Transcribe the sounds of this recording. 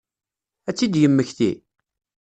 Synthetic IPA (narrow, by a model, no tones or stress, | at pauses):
æt͡sːid̪jəmːəçθḭ